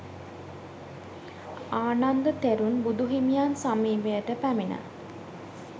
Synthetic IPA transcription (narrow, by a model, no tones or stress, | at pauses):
aːnand̪ət̪eɾunbud̪uɦimijaːnsamiːʋəjəʈəpæminə̰